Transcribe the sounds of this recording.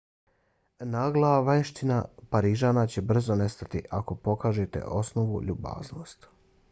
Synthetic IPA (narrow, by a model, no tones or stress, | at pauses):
naːɡlˠaʋaʃt̪inapaɾiʒanat͡ɕe̞br̩zo̞ne̞st̪at̪iʔako̞po̞kaːʒet̪e̞̰ʔo̞sno̞ʋṵʎuba̰ːzno̞st̪